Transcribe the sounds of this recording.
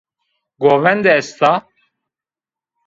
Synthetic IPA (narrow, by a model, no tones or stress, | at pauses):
ɡovɛnd̪ɛːst̪a